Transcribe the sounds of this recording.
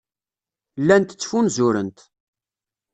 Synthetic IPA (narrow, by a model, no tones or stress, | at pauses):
lːænt̪ə̥t͡sːfunzʊɾənt̪